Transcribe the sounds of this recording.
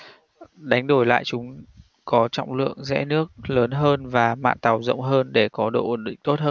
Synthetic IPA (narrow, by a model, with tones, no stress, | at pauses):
ɗa˨˦jŋ̟ɗo˧˩jla̰ː˧˨jt͡ɕʊ˨˦ŋ͡m | kɔ˨˦t͡ɕɔ̰˧˨wŋ͡mlɨ̰˧˨əŋzɛ̰˧˥nɨ˦˥ək̚ləː˨˦nɦəː˧nvaː˨˩ma̰ː˧˨nt̪a˨˩wzə̰˧˨wŋ͡mɦəː˧nɗe˧˩kɔ˨˦ɗo̰˧˨ʔə˧˩nɗḭ̈˧˨ŋt̪o˦˥t̚həː˧